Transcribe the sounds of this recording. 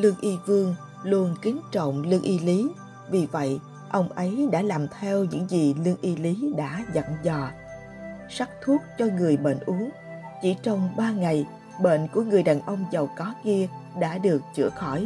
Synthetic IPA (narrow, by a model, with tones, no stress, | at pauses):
lɨ˧əŋʔi˧vɨ˧əŋ | lu˧ənkï˨˦ŋ̟t͡ɕə̰˧˨wŋ͡mlɨ˧əŋʔi˧li˨˦ | vi˨˩və̰˧˨j | ʔə˧wŋ͡mʔə˨˦jɗa̰ː˧˥laː˨˩mt̪ʰɛ˧wɲɨ̰˧˥ŋzi˨˩lɨ˧əŋʔi˧li˨˦ɗa̰ː˧˥za̰˧˨nzɔ˨˩ | sa˦˥k̚t̪ʰu˦˥ət̚t͡ɕɔ˧ŋɨ˨˩əjɓḛ˧˨nʔu˨˦əŋ | t͡ɕi˧˩t͡ɕɔ˧wŋ͡mɓaː˧ŋa˨˩j | ɓḛ˧˨nku˧˩əŋɨ˨˩əjɗaː˨˩nʔə˧wŋ͡mzə˨˩wkɔ˨˦ki˧əɗa̰ː˧˥ɗɨ˨˩ək̚t͡ɕɨ̰˧˩əxɔ˧˩j